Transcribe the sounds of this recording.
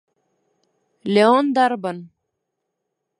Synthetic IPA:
lʲeond̪aɾbən

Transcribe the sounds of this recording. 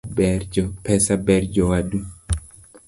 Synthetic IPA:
bɛd͡ʒɔpɛsabɛrd͡ʒɔwadu

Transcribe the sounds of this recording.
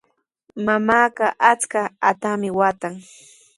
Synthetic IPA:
mamaːɢɑʔat͡skaat̪amɪwat̪aŋ

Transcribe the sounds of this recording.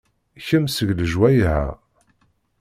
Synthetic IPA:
çəmsəʝləʒwæjɦæ̰

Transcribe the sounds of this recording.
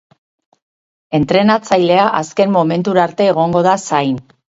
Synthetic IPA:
e̞nt̪ɾe̞nat͡sajle̞aʔaske̞mmo̞me̞nt̪uɾaɾt̪e̞ːɣ̞o̞ŋɡo̞ð̞asajn

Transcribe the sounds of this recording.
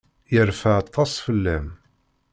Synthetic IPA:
jəɾfaʕt̪ʰˤːɑsˤfəlːæm

